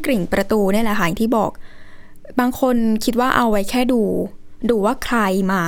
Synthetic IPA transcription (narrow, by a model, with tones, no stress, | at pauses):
kɾi˨˩ŋpɾa˧t̪uː˧nɯ˥˩˨lɛ˨˩ɦaː˨˩˦ŋt̪ʰiː˥˩bɔː˨˩k̚ | baː˧ŋkʰo˧nkʰi˦˥t̪̚waː˥˩ʔa˧wwa˦˥jkʰɛː˥˩duː˧duː˧waː˥˩kʰɾa˧jmaː˧˩